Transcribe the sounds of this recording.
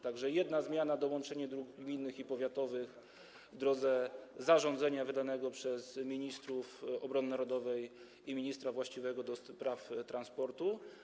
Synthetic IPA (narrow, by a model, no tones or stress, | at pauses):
t̪aɡʐɛjɛd̪nazmʲjanad̪ɔwɔnt͡ʂɛɲɛd̪ɾuɡɡmʲinːɘxipɔvʲjat̪ɔvɘɣ | vd̪ɾɔd̪zɛzaʐɔnd̪zɛɲavɘd̪anɛɡɔpʂɛzmʲiɲist̪ɾufɔbɾɔnɘnaɾɔd̪ɔvɛj | imʲiɲist̪ɾavwaɕt͡ɕivɛɡɔd̪ɔspɾaft̪ɾanspɔɾt̪u